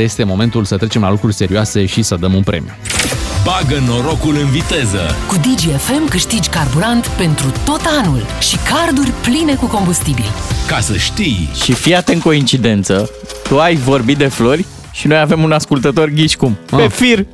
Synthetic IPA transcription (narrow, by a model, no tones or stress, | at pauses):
je̞st̪e̞mo̞me̞nt̪ulsət̪ɾe̞t͡ʃe̞mla̰lukɾurʲse̞ɾioase̞ʃisəd̪əmunpɾʔe̞̰mḭubaɡəno̞ɾo̞kulɨnvit̪e̞zə̰kud̪id͡ʒiefe̞mkɨʃt̪id͡ʒʲkarbuɾant̪pe̞nt̪ɾut̪o̞t̪anul | ʃikard̪urʲpline̞kuko̞mbust̪ibḭlkasəʃt̪ijʃifiat̪eɨŋko̞int͡ʃid̪e̞nt̪sə | t̪uajvo̞rbit̪̚d̪e̞flo̞rʲ | ʃinojave̞munaskult̪ət̪o̞rɡʲiʃkumpefir